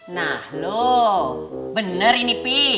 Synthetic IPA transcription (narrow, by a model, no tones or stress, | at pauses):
nahlo | bənərinipi